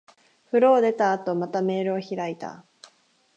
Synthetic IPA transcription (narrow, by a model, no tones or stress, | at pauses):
ɸɯ̟ɾo̞ːd̪e̞t̪aːt̪o̞mat̪ame̞ːɾɯ̟oçiɾait̪a̰